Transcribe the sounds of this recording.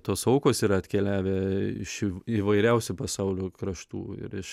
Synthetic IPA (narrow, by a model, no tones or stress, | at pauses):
t̪oːsɐʊkoːsiːɾɐɐt̪ʲkʲɛlʲæːʋʲɛɪ̰ʃiʋɐɪɾʲɛʊsʲʊpɐsɑʊlʲoːkɾɐʃt̪ṵːɪ̰ɾɪʃ